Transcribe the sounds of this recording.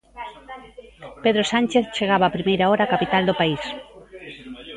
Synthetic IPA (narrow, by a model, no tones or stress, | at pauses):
peðɾosanʲt͡ʃeθt͡ʃeɣaβaːpɾimejɾaɔɾaːkapit̪ald̪opais